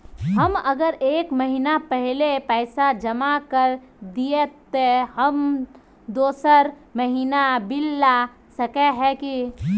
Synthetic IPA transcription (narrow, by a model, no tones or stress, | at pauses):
ɦəməɡəɾʔeːkməɦinapɛɦlepɛɪsad͡ʒəmakəɾ | d̪ijet̪ːeɦəm | d̪oːsəɾ | məɦinabɪlːa | səkɛɦɛ̃ki